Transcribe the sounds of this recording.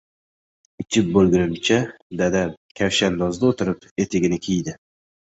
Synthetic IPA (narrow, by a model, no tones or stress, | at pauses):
ɪt͡ʃʰɪp̚bolˠɡʲɪnɪmt͡ʃʰa | d̪ad̪akʲʰafʃanːɒzd̪aot̪ʰɪɾɪp | e̞t̪ʰɪɡʲɪnɪkʲʰijd̪ɪ